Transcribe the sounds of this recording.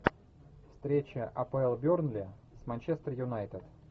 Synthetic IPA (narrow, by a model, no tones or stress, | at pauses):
fst̪ɾʲet͡ɕəʔɐpəɛlˠbʲornlʲɪ | smanʲt͡ɕest̪rjʊnajt̪ət̪